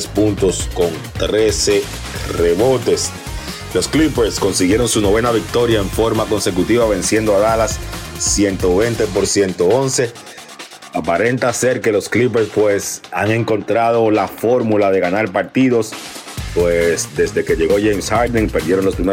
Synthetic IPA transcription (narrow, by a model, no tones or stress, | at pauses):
spunt̪o̞sko̞nt̪ɾe̞se̞ | reβo̞t̪e̞s | lo̞sklipeɾsko̞nsiɣje̞ɾo̞ŋsuno̞β̞e̞naβik̚t̪o̞ɾjaeɱfo̞ɾmako̞nse̞kut̪iβaβ̞e̞nsje̞nd̪oaðalasːje̞nt̪o̞βent̪epo̞ɾsjent̪oo̞nse̞ | apaɾe̞nt̪ase̞ɾke̞lo̞sklip̬eɾspwe̞saŋe̞ŋko̞nt̪ɾað̞o̞lafo̞ɾmulað̞e̞ɣanaɾpaɾt̪iðo̞s | pwesd̪e̞zðe̞ke̞ʝe̞ɣo̞ʝejmshaɾd̪eŋpe̞ɾdje̞ɾo̞nlo̞spɾime